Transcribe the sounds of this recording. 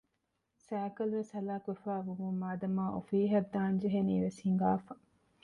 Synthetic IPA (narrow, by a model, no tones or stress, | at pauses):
sæːkɐlʋeshɐlaːkuʋefaːʋumummaːd̪ɐmaːʔo̰fiːɦɐd̪ːaːnd͡ʒeɦeniːʋeshiŋɡaːfɐ